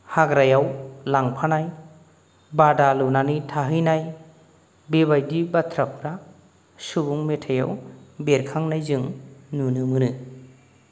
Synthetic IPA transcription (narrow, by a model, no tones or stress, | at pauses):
haɡɾajawlaŋpʰanaj | badalɯnanitʰaɦɯjnaj | bebajdibatʰɾap̚ɾa | subuŋmetʰaja̰wbeɾkʰaŋnajzɯŋnunɯmɯnɯ